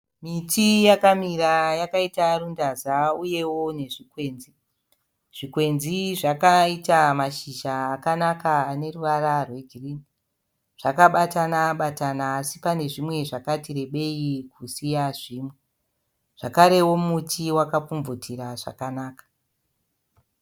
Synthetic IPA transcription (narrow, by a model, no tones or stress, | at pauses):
mitʰijakamiɾajakaitarundazauje̞wo̞ne̞ʐikwe̞ːnzi | ʐ̥ikwe̞nziʐakaitamaʃiʒaːkanakaːne̞ruʋaɾarwe̞ɡʱiriːni | ʐ̥akaɓatanaɓatanaːsipane̞ʐimwe̞ʐakatire̞ɓe̞ikusijaʐiːmwe̞ | ʐ̥akaɾe̞wo̞mutʰiwakapp͡fuɱvotʰiɾaʐa̰kanaːkḁ